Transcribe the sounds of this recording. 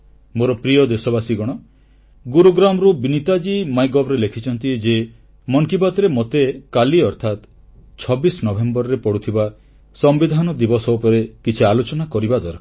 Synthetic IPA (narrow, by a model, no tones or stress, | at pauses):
moɾɔpɾijɔd̪esɔbasiɡɔɽ̃ɔ | ɡuɾuɡɾamɔɾubinit̪ad͡ʒimajɡɔbɾelekʰit͡ʃʰɔnt̪ied͡ʒe | mɔŋkibat̪ɾemot̪ekaliɔɾt̪ʰat̪ | t͡ʃʰɔbisɔnɔbʱembɔɾɔɾepɔɽut̪ʰiba | sɔmbid̪ʱanɔd̪ibɔsɔupɔɾekit͡ʃʰialot͡ʃɔnakɔɾibad̪ɔɾkʰ